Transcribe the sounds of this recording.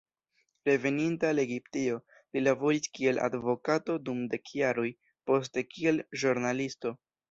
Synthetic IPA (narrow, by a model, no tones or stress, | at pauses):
ɾe̞ve̞nintale̞ɡiptio̞ | lilabo̞ɾiskie̞lʔa̰dvo̞kato̞dumde̞kʰjaɾoj | po̞s̬te̞kie̞lʒuɾnalisto̞